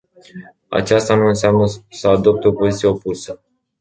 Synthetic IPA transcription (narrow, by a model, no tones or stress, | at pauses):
a̰t͡ʃast̪anuɨnseamnəsəad̪o̞p̚t̪eo̞pozit̪sijeo̞pusə